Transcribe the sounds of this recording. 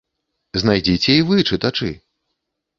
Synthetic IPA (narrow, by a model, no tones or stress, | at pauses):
znajd͡zʲit͡sʲɛivɨt͡ʂɨt̪at͡ʂɨ̰